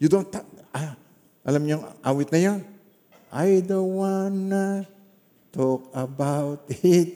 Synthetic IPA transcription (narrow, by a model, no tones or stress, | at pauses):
jud̪ont̪ːaa | ʔɐlamɲoŋʔa̰ːwɪt̪nɐjon | ʔajd̪owanːɐ | t̪okɐbawt̪ɪt̪̚